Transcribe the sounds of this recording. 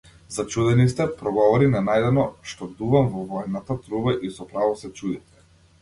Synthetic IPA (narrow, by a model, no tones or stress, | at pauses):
zat͡ʃud̪ɛnist̪ɛpɾɔɡɔvɔɾinanajd̪ɛnɔʃt̪ɔd̪uvamvɔvɔɛnːat̪at̪ɾubaʔisɔpɾavɔsɛt͡ʃud̪it̪ɛ̥